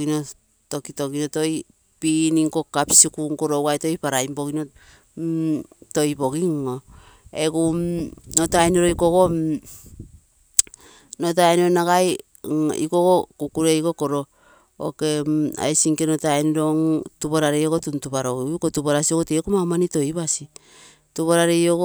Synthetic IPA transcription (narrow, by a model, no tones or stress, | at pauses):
ino | to̞kitoɡinoto̞j | piniŋko̞kapsikuŋkoɾowajto̞jpaɾajmbo̞ɡino | to̞jbo̞ɡiŋo | eɡunotajnoɾoikoɡo | not̬ajnɾonaɡaj | ḭkoɡokukuɾe̞iko̞koɾo | o̰ke̞a̰jsiŋkenotajnɾoŋtuβoɾaɾejoɡotuntupaɾoɡikotuβoɾasioɡotekumamanito̞jβasi | tuβaɾaɾejoɡo